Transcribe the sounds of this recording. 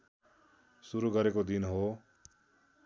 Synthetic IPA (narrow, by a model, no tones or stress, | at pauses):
sʊɾuɡəɾeːkod̪ɪnɦoː